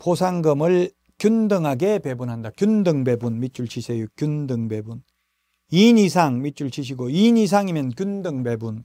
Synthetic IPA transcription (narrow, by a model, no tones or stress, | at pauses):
posʰaŋɡʌmɯɭ | kjundɯŋɦaɡepebunɦandakjundɯŋbebunmit̚t͡ɕ͈uɭt͡ɕʰisʰejukjundɯŋbebun | inis̬ʰaŋmit̚t͡ɕ͈uɭt͡ɕʰiɕ̬ʰiɡoinis̬ʰaŋimjʌnkʲundɯŋbebun